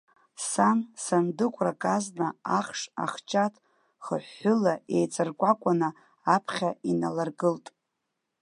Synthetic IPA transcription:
sansandɨkʷʰʼrakʼaznaaχʂa̰χt͡ʃʰʼatʰʼ | χə̰ħːʊlae̞jt͡sʼɨrkʷʼakʷʼanɨ | apʰχʲainalarɡɨltʼ

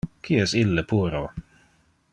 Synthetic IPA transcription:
kʰiːɛsɪləpʰuːɾoː

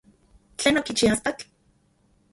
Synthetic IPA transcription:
t͡ɬeːnokit͡ʃiast̪ak

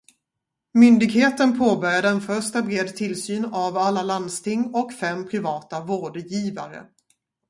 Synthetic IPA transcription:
mʏnd̪ɪɡheːt̪ənpʰoːbœɾjad̪əɛnfœʂt̪abɾeːd̪t̪ʰɪlsyːnavalːaland̪st̪ʰɪŋːɔkfɛmːpʰɾɪvɑːt̪avoːɖjiːva̰ɾə̰

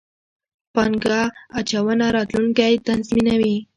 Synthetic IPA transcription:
paŋɡɑat͡ʃawənaɾɑt̪luŋkajt̪anzminawi

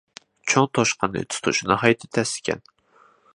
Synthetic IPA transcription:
t͡ʃʰoŋt̪ʰoʃqʰɑnɨ̰t̪ʰʊ̥t̪ʰṵʃɪnɨɦɑjt̪ʰɪ̥t̪ʰɛsɪ̥kʲʰɛ̰n

